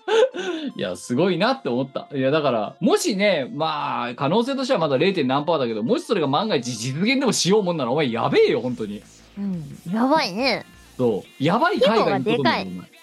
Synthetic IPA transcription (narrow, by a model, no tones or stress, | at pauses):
ja̰sɨɡo̞inat̪ːe̞omo̞t̪ːa̰jad̪akaɾa̰mo̞ɕine̞maːkano̞ːs̬e̞ːt̪o̞ɕ̬t̪eamad̪aɾe̞ːt̪enːãmpaːd̪ake̞d̪o̞mo̞ɕi̥so̞ɾe̞ɡamãŋɡait͡ɕid͡ʑit͡sɨɡẽ̞nd̪e̞mo̞ɕijo̞ːmonːaɾaomaija̰be̞ːjo̞hõ̞nt̪o̞ɲ̟ĩ | jaβaine | so̞ːjabaikaiɡaɲːiook̪aioma̰i